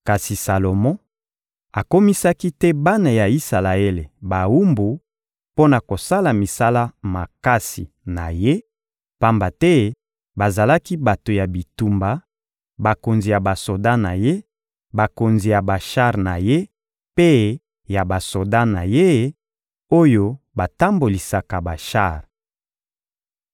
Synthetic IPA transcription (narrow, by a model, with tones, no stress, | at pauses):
ka˨si˨sa˨lo˨mɔ̃˦ | a˨ko˦mi˦sa˦ki˦tɛ˦ba˦na˨ja˨i˦sa˨la˨e˦le˨ba˨wu˦mbu˨ | po˦na˨ko˨sa˦la˨mi˨sa˦la˦ma˨ka˦sḭ˨ | na̰˨je˦ | pa˦mba˨tɛ˦ | ba˨za˨la˦ki˦ba˨to˨ja˨bi˨tu˨mba˨ | ba˨ko˨nzi˨ja˨ba˨so˨da˦na˨je˦ | ba˨ko˨nzi˨ja˨ba˨ʃa˦ʁna˨je˦ | pe˦ | ja˨ba˨so˨da˦na˨je˦ | o˦jo˦ | ba˨ta˦mbo˨li˨sa˨ka˨ba˨ʃa̰˦˨ʁ